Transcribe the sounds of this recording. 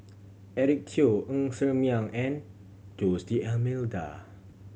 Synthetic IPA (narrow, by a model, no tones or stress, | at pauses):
ɛɹik̚tʰioʔə̃ŋsəmiãŋɛ̃n | d͡ʒosdiɛlmilda̰